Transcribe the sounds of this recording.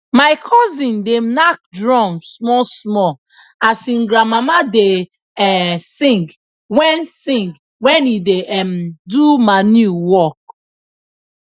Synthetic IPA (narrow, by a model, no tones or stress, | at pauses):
maɪkʰɔzĩndenak̚dɹɔ̃msmɔsmɔ | asĩŋɡɾamamade | ɛsĩŋɡ | wɛ̃nsĩŋɡ | wɛ̃nideʔɛmdumanjuwɔk̚